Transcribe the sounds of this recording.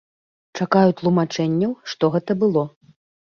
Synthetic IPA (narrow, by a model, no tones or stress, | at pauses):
t͡ʂakajut̪lˠumat͡ʂɛnʲːɐwʂt̪ɔɣɛt̪ɐbɨlˠɔ